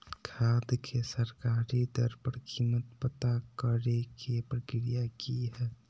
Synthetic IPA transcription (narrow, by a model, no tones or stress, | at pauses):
kʰaːd̪kʰesəɾkaːɾid̪əɾpəɾkʰiːmət̪pət̪akəɾekepɾəkɾijakiɦɛː